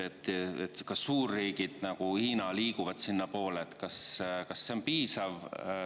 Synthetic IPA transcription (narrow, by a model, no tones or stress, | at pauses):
et̪ːet̪kɑssuːrːiːɡ̥id̪̥nɑɡ̥uhiːnɑliːkuvɑd̪̥sinːɑpo̞ːleːt̪kɑskɑsːe̞onpiːsɑv